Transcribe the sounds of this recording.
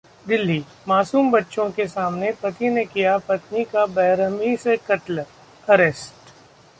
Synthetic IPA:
d̪ɪlːiː | maːsuːmbɐtːʃõkesaːmnepɾɐt̪inekijapɐt̪nikabɛːɾəmisekɐʈl | ɐɾesʈ

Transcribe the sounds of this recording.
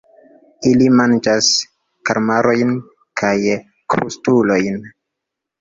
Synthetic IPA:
ilimand͡ʒas | kaɾmaɾo̞jn | kʰaj | kɾṵstulo̞jn

